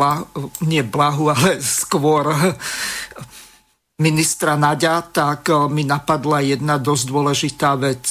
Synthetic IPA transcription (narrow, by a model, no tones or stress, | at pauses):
aɲɪɛblaɦualɛskʋɔɾ | minist̪ɾanaɟat̪akminapad̪lajɛd̪nad̪ɔzd̪ʊɔlɛʒit̪aːʋɛt͡s